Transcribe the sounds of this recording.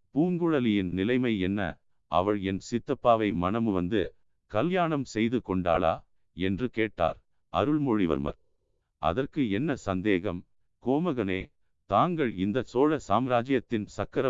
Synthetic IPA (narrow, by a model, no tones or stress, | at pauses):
puːŋɡɯɻɐlɪjɪnnɪlɐɪmɐɪɛnːɐ̰ | ʔɐ̰ʋɐɭɛnsɪt̪ːɐpːaːʋɐɪmɐnɐmɯʋɐ̰nd̪ɯ | kɐljaːɳɐmsɛjðɯkɔɳɖa̰ːla̰ː | ɛndrɯkeːʈːa̰ːɾ | ɐ̰ɾɯɭmɔɻɪʋɐ̰ɾmɐ̰ɾ | ʔɐ̰ðɐrkɯɛnːɐsɐnd̪eːɣɐm | koːmɐɣɐneː | t̪aːŋɡɐɭɪnd̪ɐsoːɻɐsaːmɾaːd͡ʒɪjɐt̪ːɪnsɐkːɐɾɐ